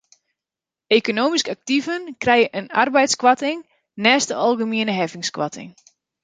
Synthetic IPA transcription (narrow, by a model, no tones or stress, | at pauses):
ekonoːmiskak̚tivənkrɛjəʔəna̰rbɛjtskwatɪŋ | nɛːstəɑlˠɣəmiənəɦɛvɪŋskwa̰tʰɪ̰ŋ